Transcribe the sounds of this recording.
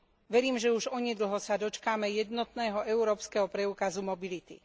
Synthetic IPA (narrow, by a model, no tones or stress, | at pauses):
ʋɛɾiːmʒɛuʒɔɲɛd̪l̩ˠɦɔsad̪ɔt͡ʃkamɛjɛd̪nɔt̪nɛːɦɔʔɛuɾɔːpskɛɦɔpɾɛuːkazumɔbilit̪ḭ